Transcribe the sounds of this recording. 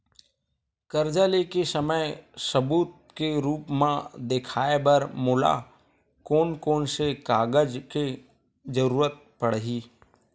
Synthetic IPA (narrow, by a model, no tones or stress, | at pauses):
kəɾd͡ʒalekesəməjsəbuːt̪̚ | keɾuːpmãd̪ekʰaːebəɾmʊla̰ | koːnkoːnsekaːɡəd͡ʒke | d͡ʒəɾuːɾət̪̚pəɽɦiː